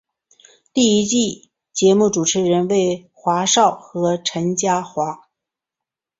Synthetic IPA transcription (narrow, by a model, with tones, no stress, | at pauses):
t̪i˥˩i˥t͡ɕi˥˩ | t͡ɕjɛ˧˥mu˥˩ʈ͡ʂu˨˩ʈ͡ʂʰɻ̩˧˥ɻə˧˥nwe˥˩ɪ | xwa˧˥ʂɑ˥˩ʊxɤ˧˥ʈ͡ʂʰə˧˥nt͡ɕja˥xwa˧˥